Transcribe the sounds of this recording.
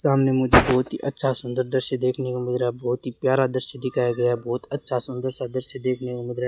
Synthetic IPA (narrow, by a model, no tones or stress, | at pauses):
saːmnemʊd͡ʒʱebɔːt̪ɦḭʔɐtːʃʰasʊ̃nd̪əɾd̪əɾʃed̪eːkʰnekamɪd̪ɾabɔːt̪ɦipjaːɾad̪əɾʃed̪ɪkʰaːjaɡɐjaɦbɔːt̪ɐtːʃʰasʊ̃nd̪əɾsad̪əɾʃed̪eːkʰnekomɪd̪ɾaː